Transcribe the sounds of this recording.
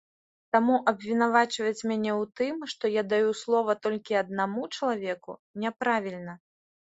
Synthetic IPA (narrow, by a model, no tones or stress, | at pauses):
t̪amuʔɐbvʲinavat͡ʂvɐt͡sʲmʲanʲɛwt̪ɨmʂt̪ɔjad̪ajuslˠɔvɐt̪ɔlʲkʲiɐd̪̚namut͡ʂɐlˠavʲɛkunʲɛpɾavʲilʲnɐ